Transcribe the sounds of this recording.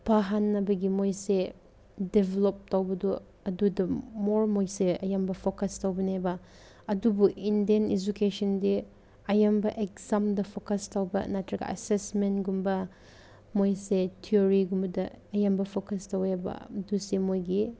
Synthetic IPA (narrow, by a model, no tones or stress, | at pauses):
pʰaɦanːɐbɐɡimojse | debʱelop̚tɐwbɐdu | ɐdudɐmoɾmojseɐjambɐpʰokɐstɐwbɐnebɐ | ɐdubuindiɐned͡ʒukesɐndi | ɐjambɐʔekzamdɐpʰokɐstɐwbɐ̰natɾɐɡɐ̰ɐ̰sesmentɡumbɐ | mojsetʰioɾiɡumbɐdɐɐjambɐpʰokɐstɐwebɐ̰dusemojɡi